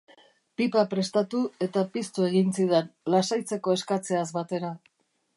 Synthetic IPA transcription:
pipapɾe̞st̪at̪ue̞t̪apist̪ue̞ɣint͡siðenlasajt͡se̞ko̞e̞skat͡se̞azβat̪e̞ɾa

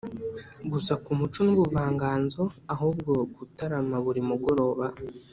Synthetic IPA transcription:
ɡusakumut͡ʃonuβuvaːŋɡaːnzo̞aɦubɡo̞ɡutaɾamaβuɾimuɡo̞ɾo̞ːβa

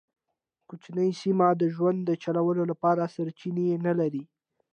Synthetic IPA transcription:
kut͡ʃnəjsimad̪əʒwand̪dːət͡ʃalawəlolapɑɾasaɾt͡ʃinenalaɾi

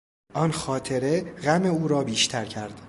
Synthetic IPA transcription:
ʔɒːnxɒːt̪ʰe̞ɾe̞ɣæme̞uːɾɒːbiːʃt̪ʰæɾcʰæɾd̪̥

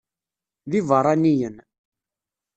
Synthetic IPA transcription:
ðivəɾˤanijən

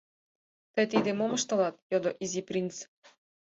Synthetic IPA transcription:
t̪ɤ̆jt̪id̪emomɤ̆ʃt̪ɤ̆lɑt̪̚jod̪oʔiziprʲint͡s

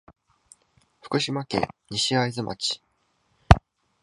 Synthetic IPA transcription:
ɸɯ̟̥kɯ̟ɕimakẽ̞̰ɲiɕiaizɨmʔa̰t͡ɕi̥

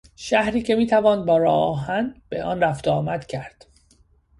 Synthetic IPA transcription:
ʃæhɾiːcʰe̞miːt̪ʰævɒːnbɒːɾɒːɒːɦænd̪b̥eʔɒːnræft̪ɒːmæd̪̥cʰæɾd̪̥

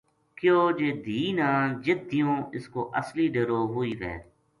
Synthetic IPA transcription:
kjoːd͡ʒeːd̪ʱiːnaːd͡ʒɪd̪ʱːijõːɪskoːʔəsliːɖeɾoːɦʊiːʋɛ̰ː

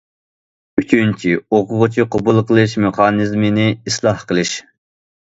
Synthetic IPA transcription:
yt͡ʃʰynt͡ʃʰioqʊʁʊt͡ʃʰiqʰʊbulˠqʰəlˠɨʃmyqʰɑːnɨzmɪnɪislˠɑhqəlˠɨʃ

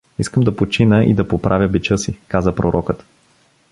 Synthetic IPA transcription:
iskəmd̪ɐpot͡ʃinəʔḭd̪ɐpopɾʔavʲjəbit͡ʃɤsikazəpɾoɾʔɔkət̪

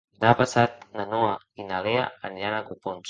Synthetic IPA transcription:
napasat̪̚nanoa | inalea̰ənʎanakupons

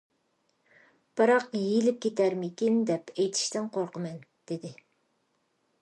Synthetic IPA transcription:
b̥ɨɾɑqjilɪp̚kʲʰet̪ʰæɾmɪkʲind̪ɛpʰejt̪ʰi̥ʃt̪ɪŋqʰoɾqəmɛnd̪̥ɪd̪ɪ

